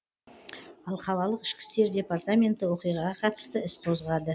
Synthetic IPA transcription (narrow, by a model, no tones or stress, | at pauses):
ɑlˠqʰɑlˠɑlˠəqɪ̥ʃkʲɪ̥st̪e̞ɾd̪ʲe̞part̪amʲe̞nt̪ːɪwo̞qijʁɑʁɑqʰɑt̪ə̥st̪əɪsqʰo̞zʁɑd̪ə